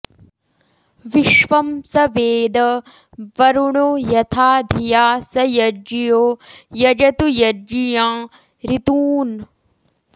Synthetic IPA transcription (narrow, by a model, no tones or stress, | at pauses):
ʋiʃʋɐmsɐʋeːd̪ɐ | ʋɐɾuɳojɐt̪ʰaːd̪ʱijaːsɐjɐɾd͡ʒijoːjɐd͡ʒɐt̪ujɐɾd͡ʒijãː | ɾit̪uːn